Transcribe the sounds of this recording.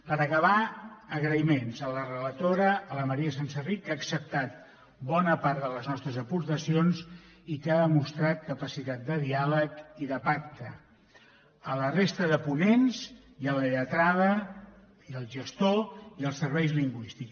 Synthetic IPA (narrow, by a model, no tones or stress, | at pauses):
pəɾəkəβ̞aəɣɾəimenzələrələt̪oɾəːləməɾiəs̬ansərikːaːksəp̚t̪at̪̚ | bɔnəpaɾt̪ðələznɔst̪ɾəzəpuɾt̪əsionz | ikaðəmust̪ɾat̪̚kəpəsit̪at̪̚d̪əðialəkiðəpak̚t̪ə | ələrest̪əðəpunenz | iələət̪ɾaðə | iəlˠʒəst̪oiəlˠsəɾβɛjzliŋɡwist̪iks